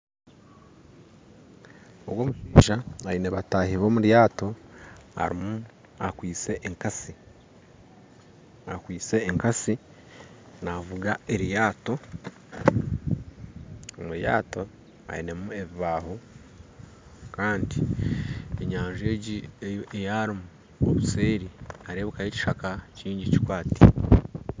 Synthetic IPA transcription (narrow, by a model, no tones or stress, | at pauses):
o̰βwo̞ːmuʃiːʒaaineβataːhiβo̞ːmuɾjaːto̞a̰ɾḭmu | akwiːt͡se̞ʔːŋkasi | akwiːt͡se̞ːŋkasi | navuɡae̞ɾjaːto̞ | omuja̰ːto̞ | a̰ḭne̞mue̞βiβaːho | kaːndi | e̞ɲaːɲʒe̞ːɟiejaːɾimu | o̰βuse̞ːɾiaɾeːβukaheci̥ʃakaciːɲɟici̥kwaːti̥